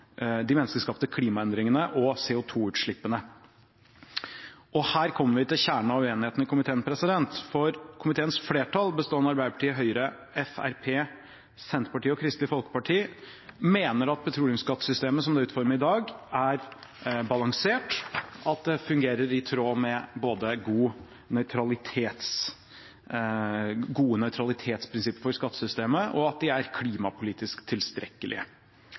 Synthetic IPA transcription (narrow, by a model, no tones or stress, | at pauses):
d̪ɪmɛnːəskəʂkɑːpt̪əkʰliːmɑɛnd̪ɾɪŋənəʔɔseːʊt̪ʰuːʉːt̪ʂɭɪpːənə | ɔhæːɾkʰɔmːəɾʋɪt̪ɪlçæːɳɑʋeːnɪheːt̪nɪkʰʊmɪt̪ʰeːənpʰɾɛsɪd̪ɛnt̪fɔɾkʰʊmɪt̪ʰeːənsfleːʈʰɑlˠbəst̪oːɛnɑɾbæɪdəpɑʈʰiːəɦœʏəɾə | ɛfæ̰ɾpʰeː | sɛnt̪pɑʈiːɔkʰɾɪst̪lɪfɔlkə̥pɑʈʰiː | meːnəɾɑt̪̚pʰɛt̪ʰɾuːlɪʊmskɑt̪ːsʏst̪eːməsɔmd̪ɛʉːt̪fɔɾməɾɪd̪ɑːɡæɾbɑlɑŋseːʈʔɑt̪̚d̪ɛfʉŋɡeːɾəɾɪt̪ʰɾoːmɛboːd̪əɡuː | nœʏt̪ʰɾɑlɪt̪ʰeːt̪s | ɡuːənœʏt̪ʰɾɑlɪt̪ʰeːt̪spʰɾɪnsɪpːəɾfɔɾskɑt̪ːəsʏst̪eːməʔɔɑt̪̚d̪ɪæɾkʰliːmɑpʰʊliːt̪ɪskt̪ʰːɪlst̪ɾʔɛ̰kːəlʔɪ̰ə̰